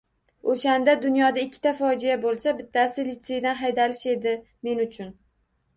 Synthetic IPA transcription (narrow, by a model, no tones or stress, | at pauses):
oʃand̪ad̪ʊnjɒd̪aɪkʲʰːɪ̥t̪ʰafɒd͡ʒijabolˠsabɪt̪ʰːasɪlɪt̪se̞jd̪anɦajd̪alɪʃe̞d̪ɪ | me̞nʊt͡ʃʰʊn